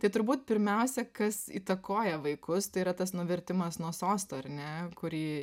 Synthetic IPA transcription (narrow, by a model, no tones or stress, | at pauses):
t̪ɐɪt̪ʊɾbuːt̪̚pʲɪɾʲmʲɛʊsʲɛkɐsḭːt̪ɐkoːjɛʋɐɪkʊst̪ɐɪiːɾɐt̪ɐsnʊʋʲɛɾʲt̪ʲɪmɐsnuɔsoːst̪oːɐɾnʲɛkʊɾʲiː